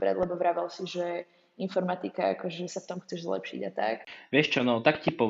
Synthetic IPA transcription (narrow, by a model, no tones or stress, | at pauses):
bɾɛ̰d̪lɛbɔʋɾaʋalsiʒɛ | infɔɾmat̪ikaa̰kɔʒɛsaft̪ɔmxt͡sɛʒzlɛ̰pʃḭɟat̪a̰kʋɪɛʃt͡ʃɔnɔt̪akcipɔ